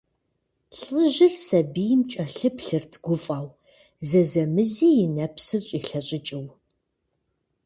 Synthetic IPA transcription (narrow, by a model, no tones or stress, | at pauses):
ɬʼəʒɪrsɐbijmt͡ʃʼɐɬɨpɬɨrtʰɡ̥ʷʊfʼaːw | zɐzɐmɨziːjɪnɐpsɨrɕʷʼiːɬɐɕʼɪt͡ʃʼɪw